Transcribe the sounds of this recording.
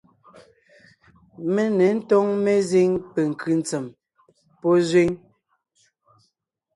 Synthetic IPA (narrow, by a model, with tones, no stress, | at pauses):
me˦nɛ˨˦n̩˦tɔ˦ŋme˦zi˦ŋpe˨ŋ̩˨kʰɯ˨n˨t͡se˨m | pɔ˦zwi˦ŋ